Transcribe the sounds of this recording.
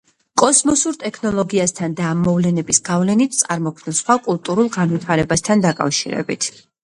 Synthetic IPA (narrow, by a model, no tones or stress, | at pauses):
kʼɔsmɔsuɾt̪ʼɛkʰnɔlˠɔɡiast̪ʰand̪aːmːɔvlɛnɛbisɡ̥avlɛnit̪̚ʰt̪sʼaɾmɔkʰvnisχwakʼulˠt̪ʼuɾulˠɡanvit̪ʰaɾɛbast̪ʰand̪akʼa̰fʃḭɾɛ̰bḭt̪ʰ